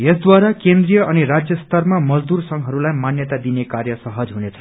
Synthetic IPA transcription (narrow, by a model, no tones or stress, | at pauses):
jesd̪waɾakend̪rijʌʔʌniɾad͡zjʌst̪ʌrmamʌd͡zd̪ursʌŋɦʌɾulajmanjʌt̪ad̪inekarjʌsʌɦʌd͡zɦunet͡sʰʌ̥